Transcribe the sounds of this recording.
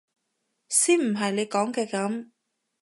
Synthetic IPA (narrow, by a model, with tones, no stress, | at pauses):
siː˥nm̩˨˩ɦɐ˨jne˨˧jkɔː˨˥ŋkɛː˧kɐ˨˧˥m